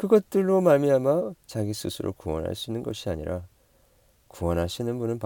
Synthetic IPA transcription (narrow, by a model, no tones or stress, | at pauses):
kɯɡʌt̚t͈ɯɭːomaɭmiɦamat͡ɕaɡisʰɯsʰɯɾʔo̰kuwʌ̰nɦa̰ɭs͈inɯnɡʌɕʰiaɲḭɾʔa | kuwʌnɦaɕʰinɯnbunɯnp